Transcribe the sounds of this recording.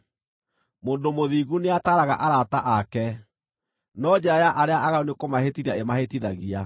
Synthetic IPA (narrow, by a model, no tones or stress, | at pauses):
moːndomoðiɣuneataɾaɣa̰ʔaɾataʔakɛ | nɔd͡ʑɛɾajaʔaɾeaʔaɣaonekomahetiɾaemahetiðaɣia